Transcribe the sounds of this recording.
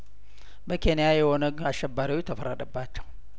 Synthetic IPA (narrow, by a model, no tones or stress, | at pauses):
bəkʰenijajɛwonəɡaʃːɛbːaɾiwit̪ʰəfəɾəd̪əbːat͡ʃːɛw